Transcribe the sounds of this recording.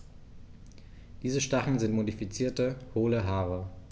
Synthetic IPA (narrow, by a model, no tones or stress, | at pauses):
d̥iːzəʃtaχn̩zɪntmodifit͡siːɐtəhoːləɦaːʁə